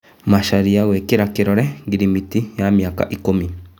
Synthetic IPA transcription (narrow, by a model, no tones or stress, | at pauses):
maʃaɾiaɣwekeɾakeɾɔɾɛɡiɾimitijamiaka̰ʔikomi